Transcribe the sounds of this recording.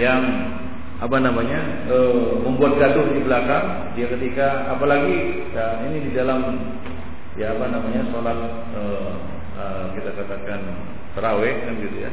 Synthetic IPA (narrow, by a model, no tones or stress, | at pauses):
jaŋ | apanamaɲa | əməmbuat̪̚ɡad̪ʊhdibəlakaŋ | diakət̪ika | apalaɡi | jaŋinididalam | jaːpanamaɲasolat̪̚ | ə | ə | kit̪akat̪akan | səɾawɛkanɡit̪ṵja̰